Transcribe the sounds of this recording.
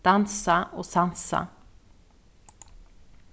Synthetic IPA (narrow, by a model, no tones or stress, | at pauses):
d̪̥ansaʔoːsansa̰